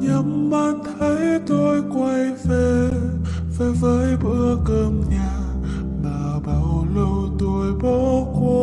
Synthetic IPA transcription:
ɲə˨˦mːa˧˩nt̪ʰə˨˦jt̪o˧jkwa˧jve˧˩ | ve˨˩vəː˨˦jɓɨ̰˧əkəː˧mɲaː˨˩ | ɓaː˨˩ɓaː˧˩wlə˧wt̪o˧jɓo˨˧˦ko˧˦

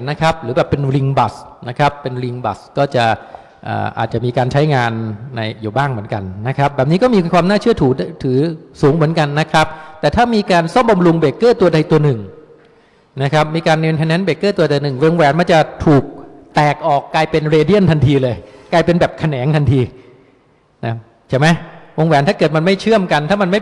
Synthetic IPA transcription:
na˦˥kʰɾa˦˥p̚ɾɯː˩˦bɛː˨˩pːe˧nɾi˧ŋba˨˩sna˦˥kʰɾa˦˥pːe˧nɾi˧ŋba̰˨˩skɔː˥˩t͡ɕa˨˩ | ʔa̰ː˨˩ʔa̰ː˨˩t̪̚t͡ɕa˨˩miː˧kaː˧nt͡ɕʰa˦˥jŋaː˧nːa˧jjuː˨˩baː˥˩ŋmɯ˩˦ənka˧nːa˦˥kʰa˦˥p̚bɛː˨˩p̚niː˦˥kɔː˥˩miː˧kʰwaː˧mnaː˥˩t͡ɕʰɯ˥˩ɐt̪ʰuː˨˩˥t̪ʰɯː˩˦suː˩˦ŋmɯ˨˩˦ənka˧nːa˦˥kʰɾa˦˥p̚t̪ɛː˨˩t̪ʰaː˥˩miː˧kaː˧nsɔ˥˩mba˧mɾu˧ŋbeː˨˩kːɤː˥˩t̪u˧ɐda˧jt̪u˧ɐnɯ˨˩ŋ | na˦˥kʰɾa˦˥p̚miː˧kaː˧nːiː˧nt̪ʰɛ˧nɛ˦˥nbe˨˩kːɤː˥˩t̪u˧ɐt̪ɛː˨˧˩nɯ˨˩ŋwo˧ŋwɛː˩˦nma˧˥nt͡ɕa˨˩t̪ʰuː˨˩k̚t̪ɛː˨˩k̚ʔɔː˨˩kːaː˧jpe˧nɾeː˧di˥˩ənt̪ʰa˧nt̪ʰiː˧lɤː˧jklaː˧jpe˧nbɛː˨˩p̚kʰa˧nɛː˩˦nt̪ʰa˧nt̪ʰiː˧ | na˦˥ | t͡ɕʰa˥˩jma˦˥jwo˧ŋwɛː˩˦nt̪aː˥˩kɤː˨˩t̪̚ma˧nma˥˩jt͡ɕʰɯ˥˩əmka˧nt̪ʰaː˥˩ma˧nma˥˩

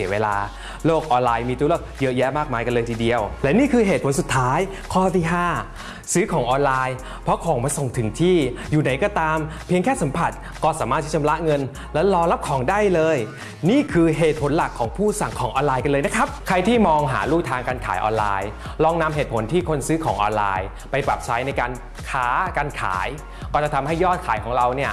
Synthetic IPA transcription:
i˨˩˦əweː˧la̰ː˧ | loː˥˩k̚ʔɔː˧nlaː˧jmiː˧t̪u˦lə˥˩jɤ˦˥jɛ˦˥maː˥˩k̚maː˧jka˧nlɤː˧jt̪ʰiː˧di˧əwlɛ˦˥wniː˥˩kʰɯː˧ɦeː˨˩pʰo˩˦nsu˨˩t̪ʰːaː˦˥j | kʰɔː˥˩t̪ʰiː˥˩ɦaː˥˩ | sɯː˦˥kʰɔː˩˦ŋʔɔː˧nlaː˧j | pʰɾɔ˦˥kʰɔː˩˦ŋmaː˧so˨˩ŋt̪ʰɯ˩˦ŋt̪ʰiː˥˩juː˨˩na˩˦jkɔː˧˩t̪aː˧mpʰi˧əŋkʰɛː˥˩sa˨˩˦mpʰa˨˩t̪̚ | kɔː˥˩saː˩˦maː˦˥˩iː˥˩t͡ɕʰmla˦˥ʔŋɤ˧n | lɛː˦˥wlɔː˧la˦˥p̚kʰɔː˩˦ŋdaː˥˩jlɤː˧j | niː˥˩kʰɯː˧ɦeː˨˩t̪̚pʰo˩˦nla˨˩kʰːɔː˩˦ŋpʰuː˥˩sa˨˩ŋkʰɔː˩˦ŋʔɔː˧nlaː˧jka˧nlɤː˧na˦˥kʰɾa˦˥p̚kʰɾa˧jt̪ʰiː˥˩mɔː˧ŋɦa̰ː˩˦ɾuː˥˩k̚t̪ʰaː˧ŋkaː˧nkʰa̰ː˩˦jʔɔ̰ː˧nla̰ː˧j | lɔː˧ŋna˧mɦe˨˩t̪̚pʰo˩˦nt̪ʰiː˥˩kʰo˧nsɯː˦˥kʰɔː˩˦ŋʔɔ̰ː˧nla̰ː˧j | pa˧jpɾa˨˩p̚t͡ɕʰa˦˥jna˧jkaː˧n | kʰaː˦˥kaː˧nkʰa̰ː˩˦j | kɔː˧˩t͡ɕa˨˩t̪ʰa˧mhɦa˥˩jːɔː˥˩t̪̚kʰaː˨˩˦jkʰɔː˩˦ŋɾa˧wni˥˩ɐ

